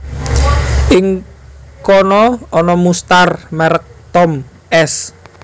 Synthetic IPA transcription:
ʔɪŋkɔnɔɔnɔmust̪armɛɾək̚t̪ɔm | ʔɛs

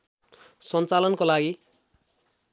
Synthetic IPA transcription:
sʌnt͡salʌnkolaɡi

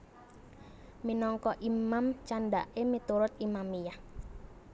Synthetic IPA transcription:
minɔŋkɔʔimamt͡ʃanɖa̰ʔemit̪uɾʊt̪̚imamijah

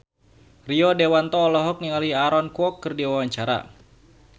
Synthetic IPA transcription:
riɔdewant̪ɔːlɔɦɔk̚niŋaliaɾɔnkuɔkːɨrdiwawaɲt͡ʃaɾa̰

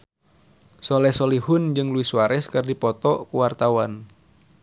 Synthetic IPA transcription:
sɔlɛsɔlihʊnd͡ʒɨŋluwisuaɾɛskɨrdipɔt̪ɔkuwart̪awan

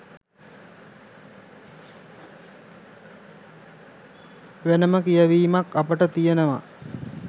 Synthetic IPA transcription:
ʋenəməkijəʋiːmakːapəʈət̪ijənəʋa̰

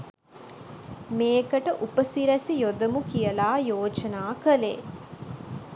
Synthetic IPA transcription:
meːkɐʈɐʔupɐsiɾɐsijod̪ɐmukijɐlaːjoːd͡ʒɐnaːkɐlḛː

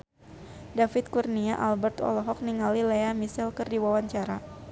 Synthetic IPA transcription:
dafɪt̪̚kurniaʔalbɛrt̪ɔ̰lɔɦɔk̚niŋalileamisɛlkɨrdiwawaɲt͡ʃaɾa

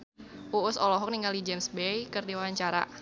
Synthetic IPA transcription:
ʔuʊsɔlɔɦɔk̚niŋalid͡ʒemsbɛjkɨrdiwaɲt͡ʃaɾa̰

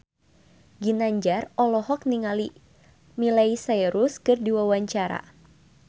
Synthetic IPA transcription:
ɡinaɲd͡ʒarɔlɔɦɔk̚niŋali | milaisajɾuskɨrdiwawaɲt͡ʃaɾa̰

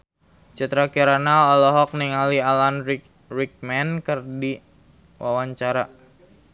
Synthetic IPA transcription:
t͡ʃat̪ɾakiɾanalɔlɔɦɔk̚niŋalialanɾi | ɾik̚mɛnkərdi | wʔawaɲt͡ʃaɾa

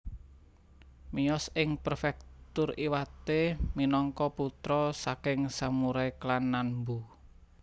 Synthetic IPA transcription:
miɔsɪŋpərfɛk̚t̪ʊriwat̪eminɔŋkɔput̪ɾɔsakɪŋsamuɾajklanːanbu

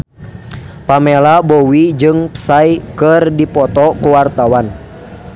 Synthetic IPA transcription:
pamɛlabɔwid͡ʒɨŋpə̥sajkɨrdipɔt̪ɔkuwart̪awan

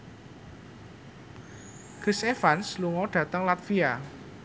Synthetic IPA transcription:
ɡ̥isefansluŋɔɖ̥ä̤t̪əŋlat̪fia

